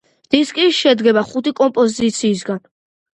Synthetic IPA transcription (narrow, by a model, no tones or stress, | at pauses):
d̪̥iskʼiʃɛd̪ɡɛbaχut̪ʰikʼɔmpʼɔzit̪sʰiːs̬ɡan